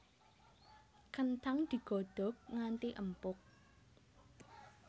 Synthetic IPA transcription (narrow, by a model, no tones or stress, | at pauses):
kənt̪aŋd̪̥i̤ɡ̥o̤ɖ̪̥ɔ̤k̚ŋant̪iʔəmpʊk̚